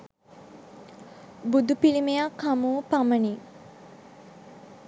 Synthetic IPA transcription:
bud̪upilimejakʰːamuːpaməni

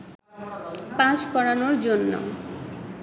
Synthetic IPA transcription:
paʃkɔɾanoɾd͡ʑonːo̰

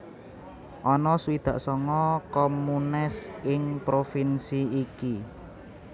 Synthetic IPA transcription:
ʔɔnɔsuid̪̥ä̤ʔsɔŋɔkɔmunɪsɪŋpɾofinsiiki

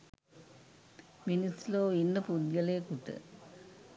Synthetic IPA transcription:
minisloːinːɐpud̪jɐleːkuʈ̪ːɨ̰

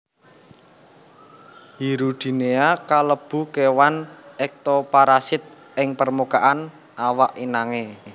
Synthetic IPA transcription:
hiɾud̪̥i̤neakaləb̥ṳkewanʔɛk̚t̪opaɾasɪt̪̚ | ʔɪŋpərmukaʔan | ʔawaʔinaŋe

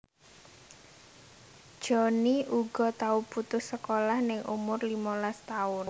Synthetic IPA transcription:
d̥ʒ̥ɔniʔuɡ̥ɔ̤t̪aub̥ut̪ʊhsəkolahnɪŋʔṵmʊrlimɔlast̪aʊn

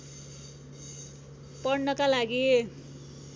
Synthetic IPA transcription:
pʌrnʌkalaɡi

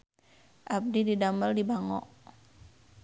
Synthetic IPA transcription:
ʔab̚dididaməldibaŋɔ̰ʔ

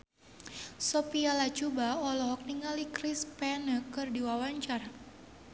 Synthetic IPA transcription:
sɔpialat͡ʃubaɔlɔɦɔk̚niŋalikɾispɛnəkɨrdiwawaɲt͡ʃar

